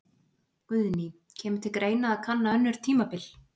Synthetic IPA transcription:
kʏðni | cʰɛːmʏ̥t̪ʰɪlkɾeːjnaːðkʰanːaœnːʏɾ̥t̪ʰiːmapɪl

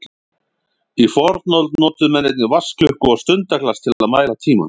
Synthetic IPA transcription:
ifɔɾt̪nɔlt̪nɔːt̪ʏmɛnːɛjt̪̬̚nɪvascʏhkʏɔɣst̪ʏnt̪aklast̪ʰɪlaðmaːjɾlat̪ʰiːma̰n

